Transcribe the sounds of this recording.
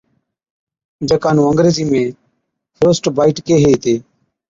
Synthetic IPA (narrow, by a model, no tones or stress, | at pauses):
d͡ʒəkaːnũːəŋɡɾeːziːmẽː | pʰɾoːsʈbaːiːʈkeːɦeːit̪eː